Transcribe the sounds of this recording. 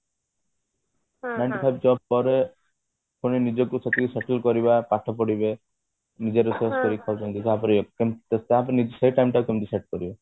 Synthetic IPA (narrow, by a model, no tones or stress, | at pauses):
najɳʈipʰajbd͡ʒɔb̚pɔɾe | kʰoɽ̃inid͡ʒɔkuset̪ikːuseʈelkɔɾibapaʈʰɔpɔɽibe | nid͡ʒeɾeseskɔɾikʰawt͡ʃɔnt̪it̪ɦapɔɾekemt̪st̪aɦapɔɾenid͡ʒseiʈajmʈaukemt̪̬iseʈ̚kɔɾiba